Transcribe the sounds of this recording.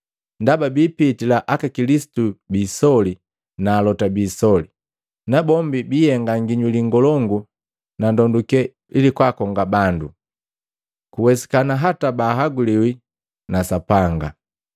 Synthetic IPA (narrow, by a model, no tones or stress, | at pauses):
ndababiːpitilaʔakakilisi̥tubiːsɔli | naːlɔtabiːsɔli | nabɔmbibihɛŋɡaŋɡiɲuliŋɡɔlɔŋɡu | nandɔndukɛ | ilikwakɔŋɡabandu | kuwɛsi̥kanaɦatabaːɦaɡuliwi | nasapaŋɡa̰